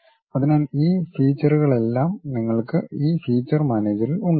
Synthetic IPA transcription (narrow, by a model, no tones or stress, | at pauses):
ɐðinaːliːfiːt͡ɕːɐruɣɐɭe̞lːaːmniŋːɐɭkɨiːfiːt͡ɕːɐrmɐːneːd͡ʑɐɾiluɳɖɨ